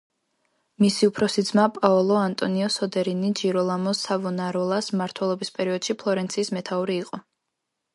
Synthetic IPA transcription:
misiupʰɾɔsid̪zmapʼaɔlˠɔant̪ʼɔniɔsɔd̪ɛɾinid͡ʒiɾɔlˠamɔsavɔnaɾɔlˠasmaɾt̪ʰwɛlˠɔbispʼɛɾiɔd̪̥ʃipʰlˠɔɾɛnt̪sʰiːsmɛt̪ʰauɾiːqʼɔ

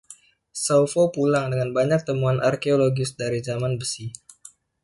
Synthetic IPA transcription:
sawfopulaŋdəŋanbaɲak̚t̪əmuanʔa̰rkeoloɡɪsdaɾizamanbəsi

